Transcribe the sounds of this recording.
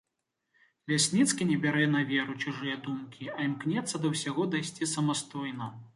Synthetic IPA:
lʲasʲnʲit̪skʲinʲɛbʲaɾɛnɐvʲɛɾut͡ʃuʐɨjɐd̪umkʲiɐimknʲɛt̪sːɐd̪ɐwsʲaɣɔd̪ajsʲt͡sʲisɐmast̪ɔjn̪ɐ

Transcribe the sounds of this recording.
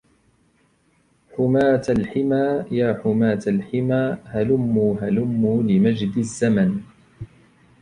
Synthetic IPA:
ħʊmaːt̪alħɪmaːjaːħʊmaːt̪alħɪmaːhalʊmːuːɦalʊmːuːlɪmad͡ʒd̪ɪzːaman

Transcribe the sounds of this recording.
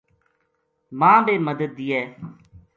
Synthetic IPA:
mãːbeːməd̪ət̪̚ːiːɛː

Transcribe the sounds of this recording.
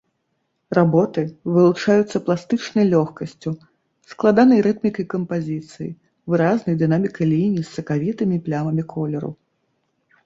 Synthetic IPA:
rabɔt̪ɨvɨlˠut͡ʂajut̪sːɐplˠast̪ɨt͡ʂnɐjlʲɔxkɐsʲt͡sʲu | sklˠad̪anɐjɾɛt̪̚mʲikɐjkɐmpazʲit̪sɨjḭ | vɨɾaznɐjd̪ɨnamʲikɐjlʲinʲiisːɐkavʲit̪ɨmʲiplʲavɐmʲikʰɔlʲɛɾṵ

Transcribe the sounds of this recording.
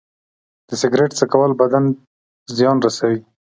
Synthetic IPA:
d̪̥əsɪɡɾeʈt͡səkawəlbad̪an | zjɑnɾasawi

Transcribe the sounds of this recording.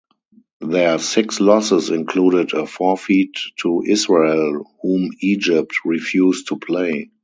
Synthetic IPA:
ðɛəsɪkslɔsɪsɪ̃nkʰluːɾɪdəfɔfiːtʰːuʔɪsɹelhũːmiːd͡ʒɪp̚tɹifjuːstʰupʰleɪ

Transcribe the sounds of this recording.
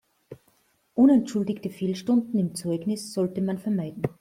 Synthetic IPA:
ʔʊnɛntʃʊldɪçtəfeːlʃtʊndn̩ɪmt͡sɔʏɡnɪsz̥ɔltəmanfɛɐmaɪdn̩

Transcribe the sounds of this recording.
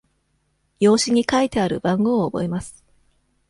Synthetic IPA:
jo̞ːɕiɲ̟ikait̪e̞aɾɯ̟̰bãŋɡo̞ːbo̞e̞masɨ̥

